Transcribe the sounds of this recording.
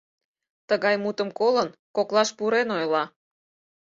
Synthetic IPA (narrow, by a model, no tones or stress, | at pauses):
t̪əɣɑjmut̪əmkolənkoklˠɑʃpuɾenojlɑ